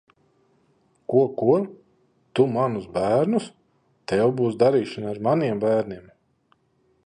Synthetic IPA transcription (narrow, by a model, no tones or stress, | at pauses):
kuɔkuɾ | t̪umanusbæːɾnus | t̪ɛwbuːsd̪aɾiːʃanaaɾmaniɛmbæːɾniɛm